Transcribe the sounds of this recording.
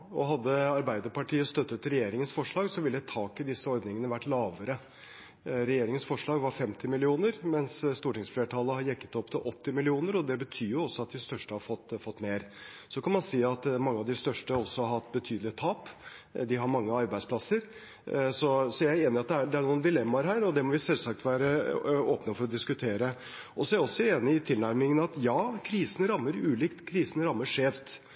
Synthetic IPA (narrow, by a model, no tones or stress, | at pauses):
ɔɦɑd̪ːəɑɾbæɪd̪əɾpʰɑʈʰiːəst̪œt̪ːət̪ɾɛjeːɾɪŋənsfɔʂɭɑːɡsɔʋɪlːət̪ʰɑːkɪd̪ɪsːəɔɾd̪nɪŋənəʋæʈːlɑːʋəɾə | ɾɛjeːɾɪŋənsfɔʂɭɑːɡʋɑɾfɛmt̪ʰɪmɪlɪuːnəɾmɛnsst̪uːʈɪŋsfleːʈʰɑlːəhɑɾjɛkːə̥t̪ɔpːt̪ʰɪlʔɔt̪ːɪmɪlɪuːnəɾɔd̪ɛbət̪ʰyːɾjʊɔsːɔɑt̪̚d̪ɪst̪œʂʈəhɑɾfɔt̪ːfɔt̪ːmeːɾ | sɔkʰɑnmɑnsiːɑt̪mɑŋːəɑʋd̪ɪst̪œʂʈəɔsːɔhɑɾhɑt̪ːbət̪ʰyːd̪lɪt̪ʰɑːp | d̪ɪɦɑɾmɑŋːəɑɾbæɪspʰlɑsəɾ | sɔsɔjæeːnɪɑt̪̚d̪ɛæɖ̪ɛæɳuːnd̪ɪlɛmːɑɾɦæːɾɔd̪ɛmɔʋɪsɛlsɑk̚t̪ʋæːɾəoːpnəfɔɾɔd̪ɪskʉt̪ʰeːɾə | ʔɔsɔæɾɔsːɔeːnɪɪt̪ʰɪlnæɾmɪŋənɑt̪jɑːkʰɾiːsən̩ɾɑmːəɾʉːliːkt̪kʰɾiːsənɾɑmːəʂeːʋt̪